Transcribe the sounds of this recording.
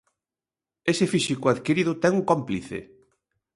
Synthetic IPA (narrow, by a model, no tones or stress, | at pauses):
esɪfisikʊaðkiɾiðʊt̪ɛŋuŋkompliθɪ̰